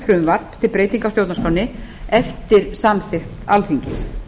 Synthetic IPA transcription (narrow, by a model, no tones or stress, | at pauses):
fɾʏmvaɾpt̪ʰɪlpɾeːjt̪iŋkawst̪jowt̪naskawnɪɛft̪ɪɾ̥samθɪxt̪alfiɲcɪs